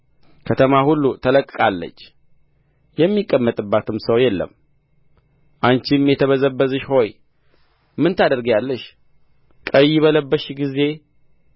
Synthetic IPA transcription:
kʰət̪ʰəmahulːut̪ʰələkʼːkʼalːə̰t͡ʃː | jɛmːikʼːəmːət̪ʼɨbːat̪ʰɨmsəwjɛlːə̰m | ʔant͡ʃimjɛt̪ʰəβəzəbːəzɨʃho̞j | mɨnt̪ʰad̪əɾɡjalːəʃ | kʼəjːɪβələbːəʃɡize̞

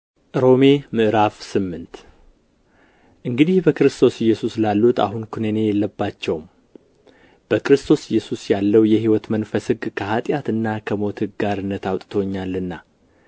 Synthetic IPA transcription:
ʔɾo̞me̞mɨʔɾafsɨmːɨnt̪ | ʔɨŋɡɨd̪ihbəkɨɾɨst̪ʰo̞sɪjːɛsuslalːut̪a̰ɦunkʰunəne̞jɛlːəbːat͡ʃːɛwm | b̥əkɾɨst̪ʰo̞sɪjːɛsusjalːəwjɛɦiwɔt̪mənfəsɨɡkʰəhat̪ʼjat̪ɨnːakʰəmo̞t̪hɨɡaɾɨnːət̪awt̪ʼt̪ʰoɲːalːɨnːa

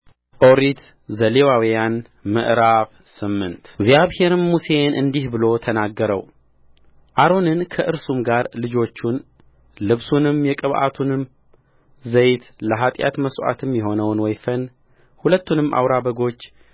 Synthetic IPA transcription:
ʔo̞ɾit̪ | zəlewawijan | mə̰ʔɾaβ | sɨmːɨnt̪ɡzijaβhe̞ɾmuse̞nʔɨnd̪ihbɨlo̞t̪ʰənaɡːəɾə̰w | ʔaɾo̞nɨnkʰəʔɨɾsumɡaɾlɨd͡ʒo̞t͡ʃːun | lɨβsunɨmjɛkʼɨβʔa̰t̪ʰunɨm | zəjt̪ləɦat̪ʼja̰t̪məsʔa̰t̪ʰɨmjɛɦo̞nəwnwɔjfən | hulət̪ːunɨmʔa̰wɾabəɡo̞t͡ʃː

